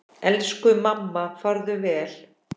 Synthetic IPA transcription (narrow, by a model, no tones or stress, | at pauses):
ɛlskʏmamːafaɾðʏvɛːl̥